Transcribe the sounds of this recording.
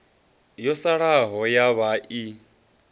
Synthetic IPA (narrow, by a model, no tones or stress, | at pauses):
jɔsaɺaɦɔjaβaʔi